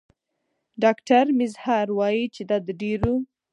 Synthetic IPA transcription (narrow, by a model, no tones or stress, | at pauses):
ɖɑkʈaɾmɪzhɑɾwɑjit͡ʃed̪ɑd̪əɖeɾu